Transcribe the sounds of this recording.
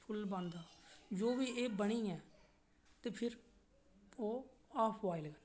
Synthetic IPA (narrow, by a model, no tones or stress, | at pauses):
pʰʊlbãːnd̪aːd͡ʒoːʋiːeːbəɽ̃iːɛː | t̪eːpʰɪɾ | oːaːpʰʋaːɪlɡən